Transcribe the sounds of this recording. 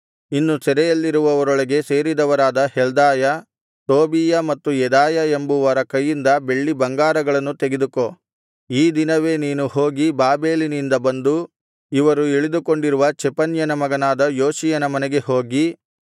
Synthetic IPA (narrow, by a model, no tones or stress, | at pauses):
inːusɛɾɛjɐlːiɾuʋɐʋɐɾɔɭɐɡe̞se̞ːɾid̪ɐʋɐɾaːd̪ɐhɛld̪aːjɐ | t̪oːbiːjɐmɐt̪ːujɛd̪aːjɐembuʋɐɾɐkɐjːind̪ɐbe̞ɭːibɐŋɡaːɾɐɡɐɭɐnːut̪eɡed̪uko | iːd̪inɐʋe̞ːniːnuho̞ːɡibaːbe̞ːlinind̪ɐbɐnd̪u | iʋɐɾueɭid̪uko̞ɳɖiɾuʋɐt͡ʃɛpɐnjɐnɐmɐɡɐnaːd̪ɐjoːʃijɐnɐmɐnɛɡe̞ho̞ːɡi